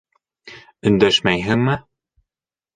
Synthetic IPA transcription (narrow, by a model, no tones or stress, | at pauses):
ɵ̆nd̪æʃmæjɦɘŋmɘ